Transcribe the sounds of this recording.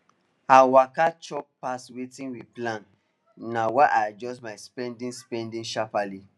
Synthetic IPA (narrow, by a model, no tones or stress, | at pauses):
awakat͡ʃɔppaswetĩnwiplãn | nawaʔajad͡ʒɔsmaɪspɛ̃ndĩŋspɛ̃ndĩŋʃapali